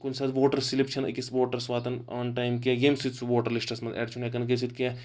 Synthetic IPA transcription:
kunsɐt̪ʋoːʈɐɾsilipt͡ʃʰɐnɐ̰kisʋoːʈɐɾsʋaːt̪ɐna̰ːnʈajmkejemsit̪sʰuʋoːʈɐɾlisʈɐsmɐzḛːʈt͡ʃʰunjɐk̬ɐnk̬es̬it̪̚ke

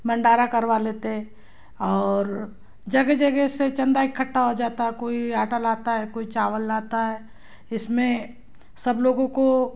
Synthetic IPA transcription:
mɐ̃ɳɖaːɾakɐɾʋaleːt̪eɦɛ̃ | ɔːɾ | d͡ʒɐɡed͡ʒɐɡeset͡ʃɐ̃nd̪aɪkʰːəʈːaɦod͡ʒaːt̪aɦɛkoːiaːʈalaːt̪aɦɛkoːit͡ʃaːʋəlːaːt̪aɦɛː | ɪsmẽ | sɐbloːɡõko

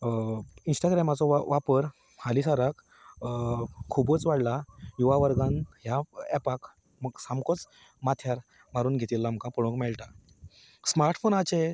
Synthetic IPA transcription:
insʈaɡɾɛmat͡sɔʋapəɾ | halisaɾak | kʰːubət͡sʋaɽlajuʋaʋəɾɡãnɦjaɛpak | məɡsamkɔt͡s | mat̪ʰjaɾ | maɾuːnɡʱet̪ilːam̤əkapəɭõkmɛɭʈa | smaɾʈfonat͡ɕe

